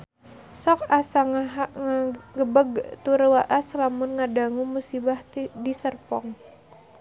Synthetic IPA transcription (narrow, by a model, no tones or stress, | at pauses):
sɔkasaŋaaŋaɡəbəɡt̪uɾwaʔaslamʊnŋadaŋumusibahtdisərpɔŋ